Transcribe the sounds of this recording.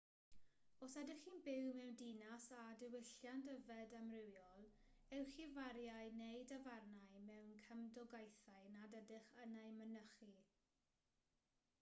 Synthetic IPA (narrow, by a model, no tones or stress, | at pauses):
ɔsɛdɪχiːnbɪwmɛwndinasadɪwɪɬjandəvɛdamrɪwjɔlˠ | ɛwχivaɾjajnejdəvarnajmɛwnkʰəmdɔɡajθaɨnadədɪχənajmənəχi